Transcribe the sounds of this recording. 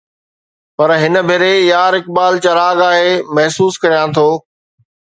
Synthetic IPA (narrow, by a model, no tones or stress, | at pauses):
pɐɾɦɪn̆bʱeɾejaːɾɪk̚baːlt͡ɕɐɾaːɡaːɦeːmɐɦsuːskɐɾijãt̪ʰoː